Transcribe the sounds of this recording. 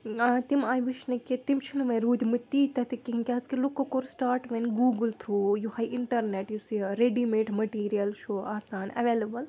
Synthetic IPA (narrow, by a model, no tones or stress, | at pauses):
aːt̪imaːjʋiʃnɐkit̪imt͡ʃʰinɐʋɐjɾuːd̪ʱmɨt̪ːit̪ɐt̪ikːiɦĩkʲaːɐskilukːokoɾsʈaːɾʈʋɐnɡuːɡɨlt̪ʰɾoːjuhɐjɪɳʈɐɾneʈjusiɾeɖimeːʈmɐʈiːɾijɐlʃʰoaːsaːnɐ̰ʋeːlɐbɐl